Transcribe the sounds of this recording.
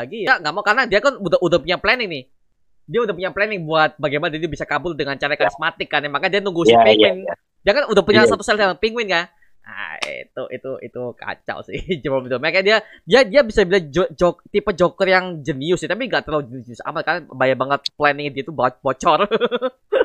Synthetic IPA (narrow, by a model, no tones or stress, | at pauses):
aɡijaŋɡaʔmakanadiakanudaudapuɲaplɛnɪŋnɪh | diaudahpuɲaplɛnɪŋbuat̪̚baɡajmanadiad̪bisakabʊldəŋant͡ʃaɾajkaɾismat̪ɪkːanːɛhmakadianuŋɡusɪpiŋwɪn | diakanudapuɲasat̪usɛldalaŋpiŋwɪnka | a̰t̪uʔḭt̪uḭt̪uka̰t͡ʃa̰lsɪ̰hd͡ʒəmamit̪umakaadiadiadiabisabilad͡ʒd͡ʒɔkt̪ipad͡ʒɔkərjaŋd͡ʒəniʊsnt̪apiŋɡaʔt̪əɾad͡ʒənɪsd͡ʒniʊsa̰matkarabajabaŋət̪̚plɛnɪŋdiat̪ubbɔt͡ʃɔr